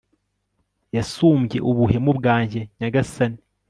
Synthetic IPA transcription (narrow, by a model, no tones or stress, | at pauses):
jasuːmɟe̞̰ʔuβuhe̞mubɡaːɲɟeɲaɡasani